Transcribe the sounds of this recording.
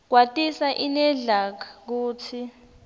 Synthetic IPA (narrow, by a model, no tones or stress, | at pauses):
k̬watʼisaʔinɛɮakʰak̬uːtʰi